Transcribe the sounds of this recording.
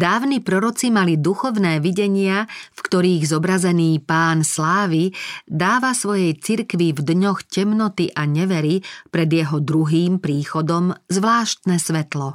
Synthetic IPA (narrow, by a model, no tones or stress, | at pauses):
d̪aːʊnipɾɔɾɔt͡simalid̪uxɔʊnɛːʋiɟɛɲɪafkt̪ɔɾiːɣzɔbɾazɛniːpaːnslaːʋid̪aːʋasʋɔjɛjt͡siɾkʋivd̪ɲɔxcɛmnɔt̪iʔaɲɛʋɛɾipɾɛd̪jɛɦɔd̪ɾuɦiːmpɾiːxɔd̪ɔmzʋlaːʃt̪nɛsʋɛt̪lɔ